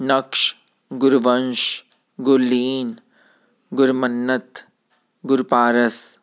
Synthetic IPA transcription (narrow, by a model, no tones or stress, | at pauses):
nɐkʃ | ɡʊɾʋɐnʃ | ɡʊlːiːn | ɡʊɾmɐnːɐt̪ | ɡʊɾpaːɾɐs